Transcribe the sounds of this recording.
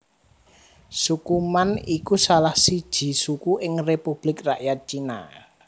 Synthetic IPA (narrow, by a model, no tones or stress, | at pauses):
sukumanikusalahsid̥ʒ̥i̤sukuʔɪŋrepub̥lɪkraʔjat̪̚t͡ʃina̰